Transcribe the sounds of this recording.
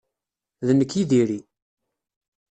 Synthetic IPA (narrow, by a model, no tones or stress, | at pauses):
ðənːəkːiðiɾi